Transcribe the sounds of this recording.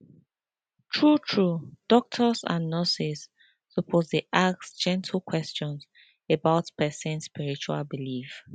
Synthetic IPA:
tʰɹutʰɹud̥ɔk̚tʰəsã̰nːəsisː | əpʰozdeʔaksd͡ʒɛ̃ntʰəlkʰwɛst͡ʃɔ̃ns | ebaʊtpɛsɛ̃nspiɹit͡ʃua̰lbilif

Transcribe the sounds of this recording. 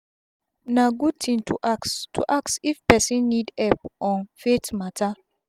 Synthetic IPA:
naɡud̚tʰĩntʰustʰuʔaksifpɛsĩnːidɛpʔɔ̃nfetmatʰa

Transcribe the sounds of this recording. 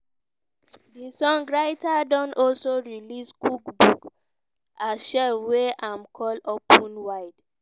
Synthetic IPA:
disɔ̃ŋɡɹaɪtadɔ̃nɔlsoɹiliskukbuk | aʃɛfweʔãmkʰɔlopʰũnwaɪd

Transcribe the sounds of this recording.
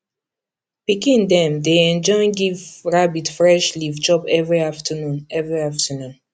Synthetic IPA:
pikĩndɛ̃mdeɛ̃nd͡ʒɔ̃ɪ̃nɡivɹabitfɹɛʃlivd͡ʒɔpɛvɹiaftʰənũnɛvɹiaftənũn

